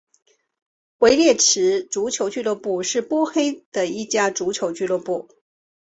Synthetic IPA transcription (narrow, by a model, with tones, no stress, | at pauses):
xwe˧˥ɪljɛ˥˩ʈ͡ʂʰɻ̩˧˥ʈ͡ʂu˧˥t͡ɕʰjo˧˥ʊt͡ɕy˥˧lwə˥˧pu˥˩ʂɻ̩˥˩pwɔ˥xe˥ɪd̪̥ə˨i˥˩t͡ɕja˥ʈ͡ʂu˧˥t͡ɕʰjo˧˥ʊt͡ɕy˥˧lwə˥˧pu˥˩